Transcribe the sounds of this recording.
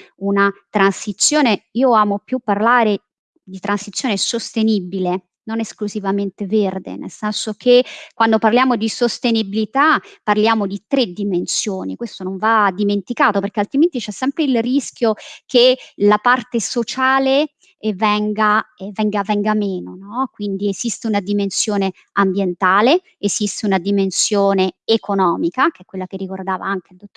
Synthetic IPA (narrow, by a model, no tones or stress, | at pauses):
unat̪ɾansit̪sːjoːneiːoaːmopjupːarlaːɾe | d̪it̪ɾansit̪sjoːnesost̪enibile | noneskluzivament̪everd̪ḛnḛlsɛnsokʰekːwand̪oparljaːmod̪isost̪enibilit̪apːarljaːmod̪it̪ɾed̪imensjoːnikwest̪onoɱvad̪ːiment̪ikaːt̪operkealt̪ɾiment̪it͡ʃɛsːɛmpɾeilrisk̟jokelapart̪esot͡ʃaːle | vɛŋɡavɛŋɡavɛŋɡameːnonɔkwind̪iezist̪eunad̪imensjoːne | ambjent̪aːle | ezist̪eunad̪imensjoːneːkʰonɔːmikak̟eɛkːwelːak̟erːikord̪aːva̰aŋk̟eild̪ot̪ː